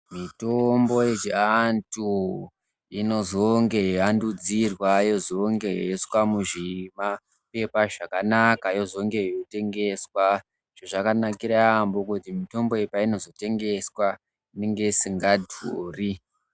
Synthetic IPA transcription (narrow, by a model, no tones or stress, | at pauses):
mitombo̞jet͡ʃiantu | ino̞zo̞ŋɡe̞ɦeandud͡zirwajo̞zo̞ŋɡe̞ɦeswamuʐima | pe̞paʐakanakajo̞zo̞ŋɡe̞ote̞ŋɡe̞swa | ʐ̥oʐakanakiɾaambokutimito̞mbo̞epaino̞zote̞ŋɡe̞swa | neŋɡe̞siŋɡadʱuːri